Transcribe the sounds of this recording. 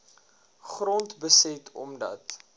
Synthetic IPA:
χrɔntbəsɛtʰɔ̰mdɐ̰t

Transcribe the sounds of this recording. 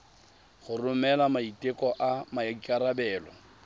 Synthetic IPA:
χʊrʊmɛlamaitʼɪkʼɔʔamakʼaɾabɛːlɔ

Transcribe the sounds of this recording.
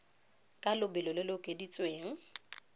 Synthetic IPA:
kʼalʊbɪlɔlɪlʊkʼedit͡sʼweːŋ̩

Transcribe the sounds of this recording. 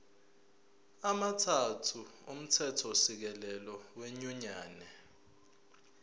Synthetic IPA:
amatʰatʰuum̩tʰɛtʰɔsik̬ɛlɛlɔweɲuɲaːnɛ

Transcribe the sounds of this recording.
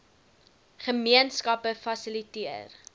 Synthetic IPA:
χəmiənskɐpəfɐsilitiər

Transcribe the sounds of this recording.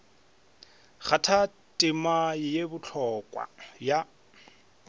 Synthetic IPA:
χatʰa | tʼɪmaɪjebʊt͡ɬʰɔkʼwa̰ja

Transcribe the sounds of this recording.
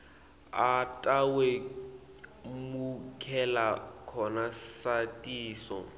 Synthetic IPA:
atʼawe | mukʰɛlakʰɔnasatʼiːsɔ̰

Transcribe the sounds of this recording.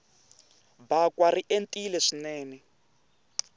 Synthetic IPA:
bakwariʔentʼilɛʂinɛːnɛ

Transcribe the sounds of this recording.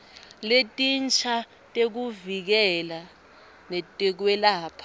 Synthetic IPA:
letʼint͡ʃʰʼa | tʼek̬uvik̬ɛla | nɛtʼɛk̬wɛlaːpʰḁ

